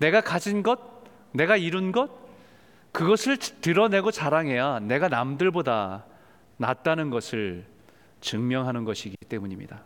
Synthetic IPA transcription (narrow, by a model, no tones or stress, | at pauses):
ne̞ɡakad͡ʑinɡʌt̚ | ne̞ɡaiɾunɡʌt̚ | kɯɡʌsʰɯɭtɯɾʌne̞ɡot͡ɕaɾaŋɦe̞jane̞ɡanamdɯɭboda | na̰t̚t͈anɯnɡʌsʰɯɭ | t͡ɕɯŋmjʌŋɦanɯnɡʌɕʰiɡit͈e̞muɲimɲḭda